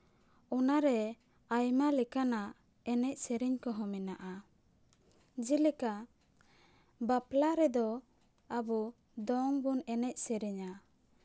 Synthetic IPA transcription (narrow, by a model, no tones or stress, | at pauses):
ɔnaɾɛ | ajmalɛkanaʔ | ɛnɛc̚sɛɾiɲkɔɦɔ̃mɛnaʔa | d͡ʒilɛka | baplaɾɛd̪ɔ | abɔ | d̪ɔŋbunɛnɛc̚sɛɾiɲa